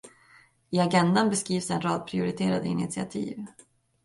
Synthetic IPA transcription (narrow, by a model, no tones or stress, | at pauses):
ɪaɡɛnd̪anbɛskɾiːvsɛnɾɑːd̪̚pʰɾɪʊɾɪt̪ʰeːɾad̪ɪ̰nɪ̰t̪sɪa̰t̪ʰḭːv